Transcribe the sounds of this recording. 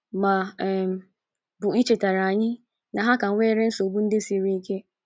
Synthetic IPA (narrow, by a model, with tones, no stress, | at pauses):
mã˨ɛ˨m | bu˨i˦t͡ɕe˨ta˨ɾa˨ɲɪ̃˦ | nã˨ɦa˦kã˨n˦wɛ˦ɾɪ̃˦n̩˦so˨bũ˦n̩˦de˦si˨e˨ɾĩ˦kʰe˦